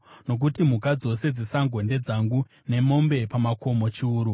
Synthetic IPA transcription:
no̞k̬utimukad͡zo̞se̞d͡zisaŋɡonde̞d͡zaŋɡu | ne̞mo̞mbe̞pamakʰo̞mo̞t͡ʃiuːɾu

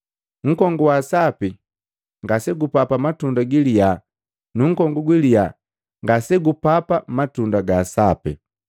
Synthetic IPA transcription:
ŋ̩kɔŋɡuwasapi | ŋɡasɛɡupapamatundaɡilija | nuŋ̩kɔŋɡuɡwilija | ŋɡasɛɡupapamatundaɡasapḭ

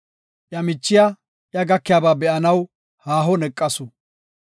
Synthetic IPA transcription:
ʔjɐmɪt͡ʃːɪja | ʔjɐɡɐkːɪjaːbaːbɛʔɐnɐw | haːɦɔnɛkʼːɐsʊ

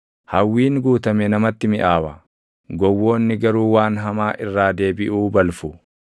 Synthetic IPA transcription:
hɐwːiːnɡuːt̪ɐmɛnɐmɐt̪ːɪmɪʔaːwɐ | ɡɔwːo̞ːnːɪɡɐɾuːwaːnɦɐmaːʔɪrːaːd̪e̞ːbɪʔuːbɐlfʊ

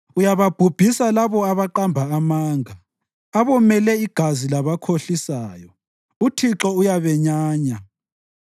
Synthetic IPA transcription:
ujaβab̥ʱub̥ʱisalaβɔaβaǃambʱaːmaːŋʱa | aβɔmɛlɛiɡ̥ʱazilaβakʰoɬisaːjɔ | utʰiǁɔujaβɛɲaːɲa

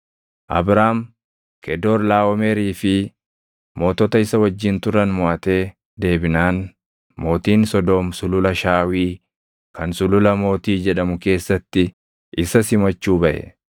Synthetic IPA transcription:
ʔɐ̰bɾaːm | kɛd̪o̞ːɾlaːwɔmeɾiːfɪ | mo̞ːt̪ɔt̪ɐɪsɐwɐd͡ʒːɪnt̪ʊɾɐnmʊaːt̪e̞ː | d̪e̞ːbɪnaːn | mo̞ːt̪iːnsɔd̪oːmsʊlʊlɐʃaːwiː | kɐnsʊlʊlɐmo̞ːt̪iːd͡ʒɛᶑɐmʊke̞ːsːɐt̪ːɪ | ʔɪsɐsɪmɐt͡ʃːuːbɐʔɛ̰

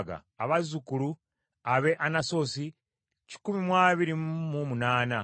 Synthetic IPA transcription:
ɡa̰ːβazukulu | aβe̞ʔanaso̞si | ci̥kumimwaːβiɾimumunaːna

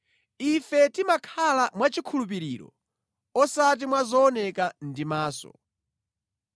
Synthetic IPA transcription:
ifɛtimakʰalamwat͡ʃikʰulup̬iɾiːɾɔ̰ | ɔsat̬imwazɔːnɛkandimaːsɔ̰

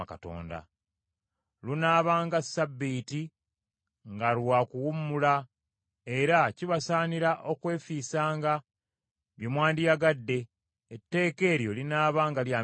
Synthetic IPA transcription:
ka̰to̞̰ːnda̰ | lunaːβaːŋɡasːabːiti | ŋɡalwaːkuwumːula | e̞ɾaciβasaːniɾaʔo̞kwe̞ːfiːsaːŋɡa | βjomwaːndijaɡadːe̞ː | tːe̞ːke̞ːɾjo̞linaːβaːŋɡalja

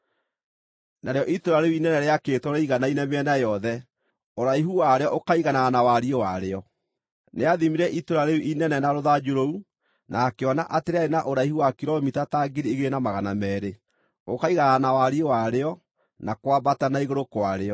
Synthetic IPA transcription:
naɾeɔʔitoɾaɾeuinɛnɛɾeaketwɔɾɛiɣanainɛmeɛnajɔðɛ | oɾaiɦuwaɾeɔʔokaiɣanaanawaɾiowaɾeɔ | neaðimiɾɛʔitoɾaɾeuʔinɛnɛnaɾoðad͡ʒoɾou | nakeɔnaʔateɾeaɾenaʔoɾaihuwakiɾɔmitataːɡiɾieɣeenamaɣanamɛːɾe | okaiɣananawaɾiewaɾeɔ | nakwabatanaiɣoɾokoaɾeɔ

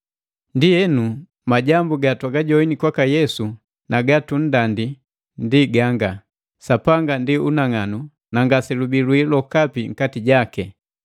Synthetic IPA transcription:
ndijɛnu | maɟambuɡatwaɡaɟɔinikwakajɛsu | naɡatun̩dandi | ndiɡaŋɡa | sapaŋɡandiunaŋanu | naŋɡasɛlubilwilɔkapiŋ̩katiɟakɛ

